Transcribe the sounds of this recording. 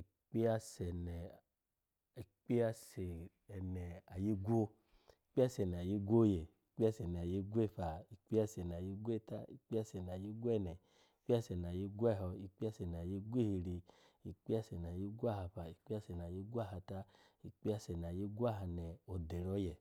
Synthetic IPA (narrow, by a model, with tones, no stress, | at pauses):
i˨ | k͡pi˦a˦sɛ˨nɛ˨ | i˨k͡pi˦a˦se˨ | ɛ˨nɛ˨a˨ji˦ɡʷo˦ | i˨k͡pi˦a˦sɛ˨n˨a˨ji˦ɡʷo˦je˨i˨k͡pi˦a˦sɛ˨nɛ˨a˨ji˧ɡʷe˦˨ɸa˨i˨k͡pi˦a˧sɛ˨n˨a˨ji˧ɡʷe˦˨ta˦ḭ˨k͡pi˦a˦sɛ˨n˨a˨ji˦ɡʷu˦ɛ˦˨nɛ˨ | i˨k͡pi˦a˦sɛ˨n˨a˨ji˧ɡʷɛ˦˨ɦɔ˧i˨k͡pi˦a˦sɛ˨n˨a˨ji˧ɡʷe˦hi˧ɾi˧ | i˨k͡pi˦a˦sɛ˨n˨a˨ji˦ɡu˦a˦˨ha˧ɸa˨i˨k͡pi˦a˦sɛ˨n˨a˨ji˦ɡʷa˦˨ɦa˧ta˦ | i˨k͡pi˦a˦sɛ˨n˨a˨ji˦ɡu˦a˦ɦa˧nɛ˨o˨de˨ɾɔ˧˦jɛ˨